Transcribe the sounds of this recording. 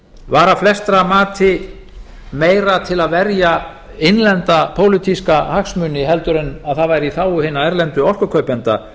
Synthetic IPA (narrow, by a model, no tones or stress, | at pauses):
vaːɾaflɛst̪ɾamaːt̪ʰɪ | meːjɾat̪ʰɪlaðvɛɾja | ɪjnlɛnt̪apʰoːwlɪt̪ʰiskahaxsmʏːnɪɦɛlt̪ʏɾʏnaðθaðvajɾiθaːwʏhɪːnːaɛɾlɛnt̪ʏɔl̥kʏkʰœɥpɛnt̪a